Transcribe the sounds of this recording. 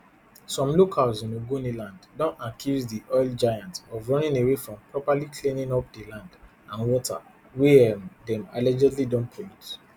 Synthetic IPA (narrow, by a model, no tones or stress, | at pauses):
sɔ̃mlokʰalzĩnoɡonilãnddɔ̃nakʰizdiʔɔɪld͡ʒajãntɔvɹɔ̃nĩnewefɹɔ̃mpɹɔpalikʰlĩnĩnɔp̚delãnd | ãnwɔtʰa̰ | wedɛ̃ma̰lɛd͡ʒɛdlidɔ̃npʰɔit